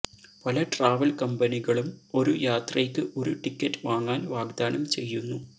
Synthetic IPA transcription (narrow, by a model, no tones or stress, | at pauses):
pɐlɐʈraːʋɐlkɐmbɐniɣɐɭumo̞ɾujaːt̪rɐjkːɨʔo̞ɾuʈikʲːɐtːɨʋaːŋːaːnʋaːɡd̪aːnɐmt͡ɕe̞jːunːu